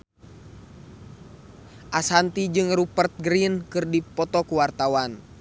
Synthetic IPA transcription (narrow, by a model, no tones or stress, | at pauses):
ʔasant̪id͡ʒɨŋrupərt̪̚ɡɾinkɨrdipɔt̪ɔkuwart̪awan